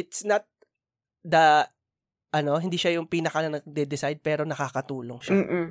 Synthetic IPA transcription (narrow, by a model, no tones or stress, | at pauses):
ɪt̪snɐt̪̚ | d̪ɐ | ʔɐno̞ɦɪnd̪iːʃɐjʊŋpiːnɐkɐnɐnɐɡ̚d̪ɛd̪ɪsajd̪̚pɛːɾo̞nɐkaːkɐt̪uːlo̞ŋʃa